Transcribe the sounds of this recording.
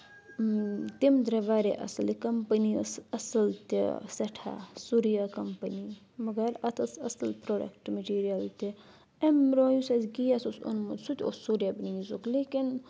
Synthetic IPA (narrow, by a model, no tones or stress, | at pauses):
t̪imd̪ɾɐʋaːɾḛʔɐ̰sɨlikɐmpənḭsɐsɨlt̪ḭsɐʈʰa̰suɾjakɐmpɐni | mɐɡɐɾɐt̪ʰɐsɐ̰səlpɾoːɖɐ̰kʈmɐʈiːɾijɐlt̪ʲi | emɾoːjusɐzɡijasusṵnmusut̪ʲo̰suɾjaːbiniːzukleːkin